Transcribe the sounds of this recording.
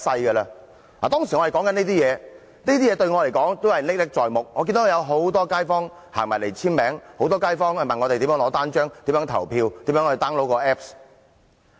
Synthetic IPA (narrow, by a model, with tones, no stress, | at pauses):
sɐ˧jkə˧lɐ˧ | laː˨˩t̪ɔː˥ŋsi˨˩ɔ˨˧hjkɔː˨˥ŋkɐ˨˥niː˥t̪̬iː˥jɛː˨˧ | niː˥t̪iː˥jɛː˨˧t̪ɵ˧ɥŋɔ˨˧le˨˩jkɔː˨˥ŋt̪o˥whɐ˨jlɪ˥k̚lɪ˥k̚t͡sɔː˨jmʊ˨k̚ŋɔː˨˧ki˧nt̪o˧˥hjɐ˨˧wɦo˨˥wt̪ɔː˥kaː˥jfɔː˥ŋ | haː˨˩ŋmaː˨˩le˨˩jt͡sʰiː˥nmɛː˨˥ŋho˨˧˥wt̪ɔː˥kaː˥jfɔː˥ŋhmɐ˨nŋɔ˨˧te˨jti˨˥mjːŋlɔː˨˧˥t̪aː˥nt͡ʃœː˥ŋt̪iː˨˥mjœː˨˥ŋt̪ʰɐ̰˨˩wpʰiː˧wt̪iː˨˥mjœː˨˥ŋhɵ˧t̪aː˥ŋlo˨˥wkɔː˧ʔɛː˦˥p̚s